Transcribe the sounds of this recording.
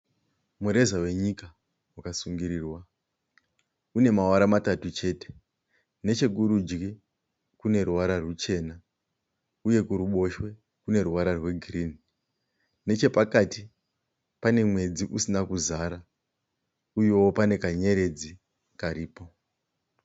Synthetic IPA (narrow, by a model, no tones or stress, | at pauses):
muɾe̞zawe̞ɲika | wakasuŋɡiɾiːrwa | une̞mawaɾamatatut͡ʃe̞ːte̥ | ne̞t͡ʃe̞ɡuɾud͡ʒɡi | kune̞ɾuwaɾarwut͡ʃe̞na | uje̞kuɾuɓo̞ʃwe̞ | kune̞ɾuwaɾarwe̞ɡʱriːni | ne̞t͡ʃe̞pakati | pane̞mwe̞d͡ziʔusinakuzaːɾa | ujowopane̞kaɲe̞ɾe̞d͡zi | kaɾiːpo̞